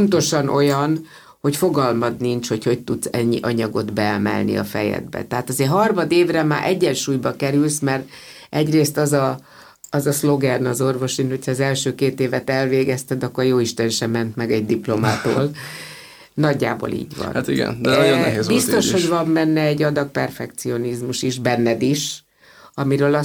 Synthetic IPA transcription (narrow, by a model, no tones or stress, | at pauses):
nt̪o̞ʃɒnʔo̞jɒn | ho̞cfo̞ɡɒlmɒd̪nint͡ʃho̞cho̞c̚t̪ut̪sɛɲːḭʔɒɲɒɡo̞d̪bɛɛmɛ̰lnḭɒ̰fɛjɛ̰d̪̚bɛ̰t̪ɛɦaːt̪ɒzeːɦɒrmɒd̪eːvrɛma̰ːɾʔɛɟːɛnʃuːjbɒkɛɾylsmɛr | ɛɟreːst̪ɒzɒ | ɒzɒslo̞ɡɛrnɒzo̞rvo̞ʃinho̞cʰhɒːzɛlʃøːkeːt̪eːvɛt̪ɛlveːɡɛst̪ɛd̪ɒkːo̞rjoːiʃt̪ɛnʃɛmːɛnt̪mɛɡɛɟ̚d̪iplo̞maːt̪o̰ːl | nɒɟːa̰ːbo̰lḭːɟvɒ̰nat̪iɡɛ̰nd̪ɛjonːɛɦeːzbist̪o̞ʃho̞ɟvɒmmɛnːɛɛɟːɒd̪ɒk̚pɛrfɛkt̪sio̞nizmuʃiʒbɛnːɛd̪iʃ | ɒmiɾøːlɒ